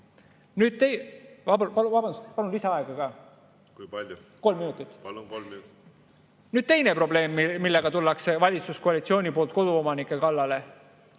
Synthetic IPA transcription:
nyːd̪̥̚t̪ejvɑpɑluvɑbɑnd̪uspɑlunliseɑeɡ̥ɑkɑː | kujpɑlʲj | ko̞lmːinut̪ːˑit̪ːˑloli | nyːd̪̥̚t̪e̞jne̞pro̞ble̞ːmːimilːe̞ɡ̥ɑt̪ulːɑksevɑlʲit̪suskoɑlit̪sio̞ːnʲipo̞ːlt̪̚ko̞d̪uo̞mɑnikːˑe̞kɑlːɑle̞

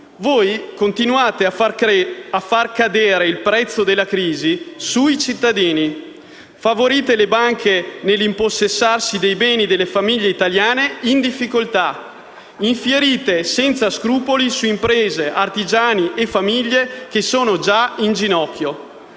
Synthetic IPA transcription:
voːjkont̪inuaːt̪ea | afːarkad̪eːɾeilpɾɛt̪sːod̪elːakɾiːzisuit͡ʃit̪ːad̪iːni | favoɾiːt̪elebaŋkʰenelːimposːesːarsid̪ejbɛːnid̪elːefamiʎːeit̪aljaːneind̪ifːikolt̪a | iɱfjeɾiːt̪esɛnt̪saskɾuːpolisuimpɾeːzeʔart̪id͡ʒaːniʔefamiʎːek̟esoːnod͡ʒaind͡ʒinɔkːjo

